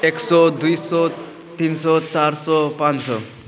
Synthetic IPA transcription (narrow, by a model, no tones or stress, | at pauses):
eksɔd̪ujsɔ | t̪insɔt͡saɾsɔpãnt͡ssɔ̰